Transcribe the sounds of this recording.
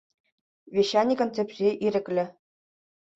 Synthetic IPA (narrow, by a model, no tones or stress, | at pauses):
vʲeɕːɑnʲikŏnt̪ʲɘ̆pʲrʲeʔiɾʲɘ̆klʲɘ̆